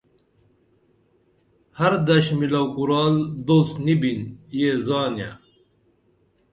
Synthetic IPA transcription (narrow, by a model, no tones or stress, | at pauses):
hɐɾd̪ɐɕmilɐwkuɾɑːld̪osnibinjeːzɑːnija̰